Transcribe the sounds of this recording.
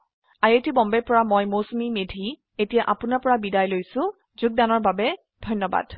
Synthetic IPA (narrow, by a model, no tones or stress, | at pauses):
ajetibɔmbɛɹpɔɹamɔjmosmimedʱi | etijaʔapʊnapɔɹabidajlojsʊ̃ | zʊɡ̚danɔɹbabɛ | dʱɔjnːɔba̰d̥